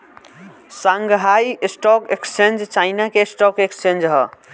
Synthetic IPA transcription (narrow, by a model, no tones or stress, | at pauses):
sãŋɡɦajsʈɔkekst͡ʃẽnd͡ʒt͡ʃajnakesʈɔkekst͡ʃẽnd͡ʒɦɔ̰